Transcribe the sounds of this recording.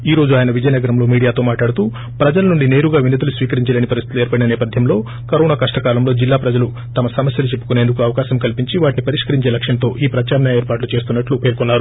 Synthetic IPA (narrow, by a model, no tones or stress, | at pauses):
iːɾo̞ːd͡ʒuaːjɐnɐʋid͡ʒɐjnɐɡɐɾɐmlo̞ːmiːɽijaːt̪o̞ːmaːʈaːɽut̪uː | pɾɐd͡ʒɐlɐnuɳɖine̞ːɾuɡaːʋinːɐt̪ɐlusʋiːkɐɾiɲt͡ʃɐleːnipɐɾist̪i̥t̪leːɾpɐɽinɐnɛːpɐd̪ʱjɐmlo̞ː | kɐɾoːnaːkɐʂʈɐkaːlɐmlo̞ːd͡ʒilːaːpɾɐd͡ʒɐlu | t̪ɐmɐsɐmɐsjɐlut͡ʃepːukuneːnd̪ukuɐʋɐkaːʃɐmkɐlpiɲt͡ʃiʋaːʈinipɐɾiʂkɐɾiɲt͡ʃe̞ːlɐkʂɐnt̪o̞ːʔiːpɾɐt͡ʃaːɾɐnɐeːɾpaːʈlut͡ʃe̞ːst̪unːɐʈlupeːɾkunːaːɾu